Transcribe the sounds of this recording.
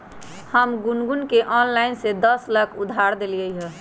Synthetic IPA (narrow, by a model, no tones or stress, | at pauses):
həmɡunɡunkeʔɔnlainsed̪əsləkʰud̪ʱaɾd̪elijəjɦə